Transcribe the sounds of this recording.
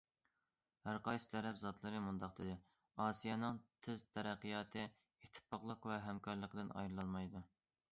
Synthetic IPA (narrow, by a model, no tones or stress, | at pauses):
hæɾqɑjsɨ̥t̪ʰɛɾɛpzɑt̪ʰlˠɨɾɨmund̪ɑqd̪ɨd̪ɪ | ɑːsijɑnɨŋt̪ʰɪzt̪ʰɛɾæqːijɑːt̪ʰɨ | et̪ʰːɪ̥pʰɑqlˠəqvɛɦɛmkʰɑɾlˠəqəd̪ɪnɑ̰jɾlˠɑlˠmɑjd̪u